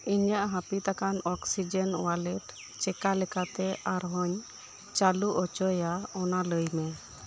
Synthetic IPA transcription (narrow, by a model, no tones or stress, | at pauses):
iɲjaʔɦãpit̪akanɔksid͡ʒɛnwalɛʈ | t͡ʃɛkalɛkat̪ɛaɾɦɔɲ | t͡ʃaluʔɔt͡ʃɔjaɔnaləjmɛ